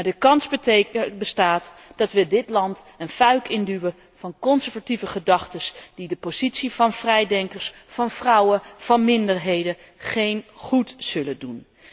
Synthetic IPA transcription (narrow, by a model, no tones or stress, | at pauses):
madəkɑnsbəstaːtd̥ɑtʋədɪtlɑnt | ənfœɥkɪndywə | v̥ɑnkɔnsəɹvativəχədɑχtəsd̥idəpoz̥itsivɑnv̥rɛjdɛŋkəɹsfɑnvrɑwəv̥ɑnmɪndəɹɦejdə | χejnχutz̥ɵlədun